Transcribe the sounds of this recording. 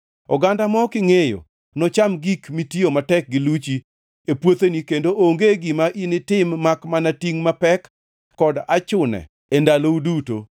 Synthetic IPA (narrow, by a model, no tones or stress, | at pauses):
ɔ̰ɡandamɔkɪŋejo̰ | nɔt͡ʃamɡikmitiomatɛk̚ɡɪlut͡ʃi | epwot̪enikendoʔoŋɡeɡɪmaʔinɪtɪmːakmanatiŋmapɛkː | ɔdat͡ʃʊnɛ̰ | endalouduto̰